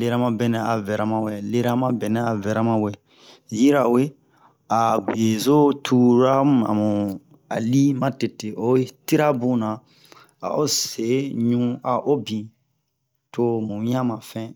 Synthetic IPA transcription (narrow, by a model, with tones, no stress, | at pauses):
le˦ɾa˦mã˦bɛ˨nɛ̃˨a˨vɛ˨ɾa˨mã˨wɛ˨le˦ɾa˦mã˦bɛ˨nɛ̃˨a˨vɛ˨ɾa˦mã˦wɛ˨ | ji˦ɾa˨we˦ | a˨ɡi˨e˨zo˦tʰu˦ɾa˦mũ˨a̰˨mũ˨ | a̰˨li˦mã˦te˨te˨ʔo˦ti˦ɾa˦bũ˦nã˨ | a̰˨ʔo˦se˨˦ɲũ˦a˨ʔo˦bĩ˨ | to˨˦mũ˨ɲ˦ã˦mã˨fɛ̃˦